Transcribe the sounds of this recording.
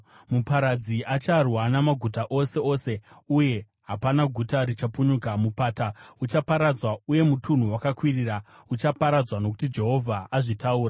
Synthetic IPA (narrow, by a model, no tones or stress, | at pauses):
mupaɾad͡ziʔat͡ʃarwanamaɡʱutaʔo̞se̞o̞se̞uje̞ | ɦapanaɡʱutaɾit͡ʃapuɲukamupaːtaut͡ʃapaɾad͡zwauje̞mutʰun̤uwakakwiriːra | ut͡ʃapaɾad͡zwano̞k̬u̥tid͡ʒe̞ɦo̞vʱaaʐitauːra